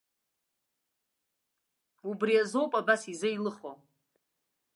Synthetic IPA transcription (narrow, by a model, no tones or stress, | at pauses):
ubriazo̞wpʼabasizɨilɨχo